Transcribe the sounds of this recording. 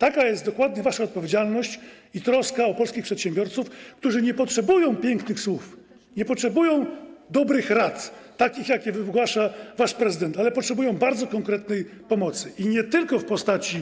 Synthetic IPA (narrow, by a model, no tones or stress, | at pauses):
t̪akajɛst̪d̪ɔkwad̪ɲɛvaʂaɔt̪̚pɔvʲjed͡ʑalnɔɕt͡ɕ | it̪ɾɔskaɔpɔlskʲixpʂɛt̪ɕɛmbʲjɔɾt̪sufkt̪uʐɘɲɛpɔtʂɛbujɔ̃w̃pʲjɛŋknɘxswuf | ɲɛpɔtʂɛbujɔ̃w̃d̪ɔbɾɘxɾat̪ːakʲixjakʲɛvɘɡwaʂavaʂpɾɛzɘd̪ɛnt̪alɛpɔtʂɛbujɔ̃w̃baɾd̪zɔkɔŋkɾɛt̪nɛj | pɔmɔt̪sɘʔiɲɛt̪ɘlkɔfpɔst̪at͡ɕi